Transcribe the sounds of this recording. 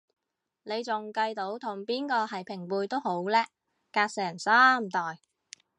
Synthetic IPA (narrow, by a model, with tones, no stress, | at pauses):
ne˨˧jt͡sʊ˨ŋkɐ˧jt̪o˨˥wt̪ʰʊ˨˩ŋpiː˥nkɔː˧hɐ˨˩jpʰɪ˨˩ŋpuː˧jt̪o˥who˨˥wlɛː˥ | kaː˧k̚sɛː˨˩ŋsaː˥m̩˨t̪ɔː˨˩j